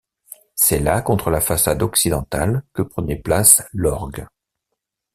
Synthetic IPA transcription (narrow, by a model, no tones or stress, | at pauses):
sɛlakɔ̃t̪χəlafasad̪ɔksid̪ɑ̃t̪alkəpχənɛplaslɔʁɡ